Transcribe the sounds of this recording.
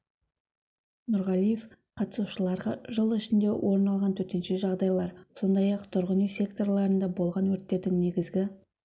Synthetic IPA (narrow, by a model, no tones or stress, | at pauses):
nʊɾʁɑlˠijef | qʰɑt̪əsuʃəlˠɑɾʁɑʒəlˠɪʃɪnd̪e̞wʔo̞ɾnɑlˠʁɑnt̪ʰɵɾt̪e̞nʃe̞ʒɑʁd̪ɑjlˠɑɾso̞nd̪ɑjɑqt̪ʰʊɾʁənijsʲe̞kt̪o̞rlˠɑɾənd̪ɑbo̞lˠʁɑnwɵɾt̪ːe̞d̪ɪŋne̞ɡʲɪzɡʲɪ